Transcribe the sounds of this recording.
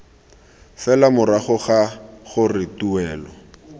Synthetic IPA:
fɛlamʊɾaχʊχaχʊrɪtuɛːlɔ

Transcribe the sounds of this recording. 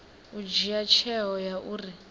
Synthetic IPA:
ud͡ʒijat͡ʃʰɛɦɔjaʔuːri

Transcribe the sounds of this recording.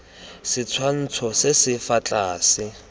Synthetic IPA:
sɪt͡sʰwan̩t͡sʰɔsɪsɪfat͡ɬʼaːsɪ

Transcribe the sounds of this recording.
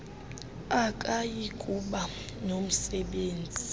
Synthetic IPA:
akʼajikʼuɓa | nom̩sɛɓeːnd͡zʱi

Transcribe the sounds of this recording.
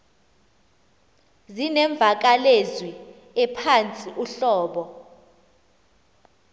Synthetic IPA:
zinɛɱb̪vʱak̬alezwi | ɛpʰant͡sʼiʔuɬɔːɓɔ

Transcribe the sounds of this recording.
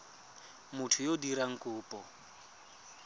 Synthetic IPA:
mʊtʰʊjodiɾaŋ̩kʼʊːpʼɔ

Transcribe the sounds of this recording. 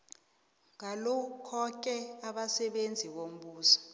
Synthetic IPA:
ŋalɔkʰɔk̬ʼɛaɓasɛɓend͡zʱiɓom̩ɓuːsɔ̥

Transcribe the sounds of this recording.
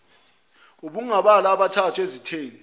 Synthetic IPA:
uɓuŋaɓalaɓatʰatʰuezitʰeːni

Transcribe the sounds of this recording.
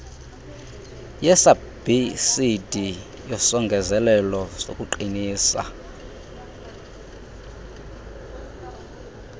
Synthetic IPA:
jɛsa | b̥isidʱi | jɔsɔŋɡʱɛzɛlɛlɔsokʼuǃiniːsa̰

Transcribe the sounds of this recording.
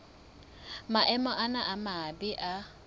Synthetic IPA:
maʔɛmɔʔanaʔamabiʔa

